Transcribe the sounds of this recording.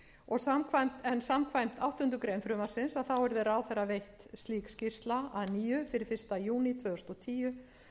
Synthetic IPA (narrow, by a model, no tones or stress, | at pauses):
ɔɣsamkʰvajm̥t̪ɛnsamkʰvajm̥t̪awht̪ʏnt̪ʏkɾejmfɾʏːmaɾsɪnsaðθawɛɾðɪɾaːwθɛrːavejht̪st̪liːkscɪst̪laaðniːjʏfɪɾɪɾ̥fɪr̥st̪ajuːnit̪ʰvœːʏ̥st̪ɔt̪ʰiːjʏ